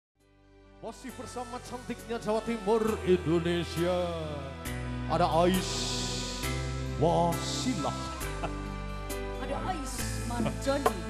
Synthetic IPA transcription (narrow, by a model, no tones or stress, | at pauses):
masɪhbərsamat͡ʃant̪ɪk̚ɲad͡ʒawat̪imʊrindonesia | adaʔaɪs | wasilah | adaʔais | mard͡ʒan